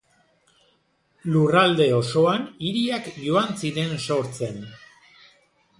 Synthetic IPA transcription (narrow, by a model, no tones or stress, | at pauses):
lurald̪e̞o̞so̞aniɾiakʝoant͡siðenso̞ɾt͡se̞n